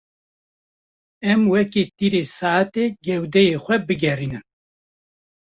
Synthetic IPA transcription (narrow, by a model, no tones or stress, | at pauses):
ɛmwɛkeːt̪iːɾeːsaːat̪eːɡɛwd̪ɛjexʷɛbɨɡɛriːnɨn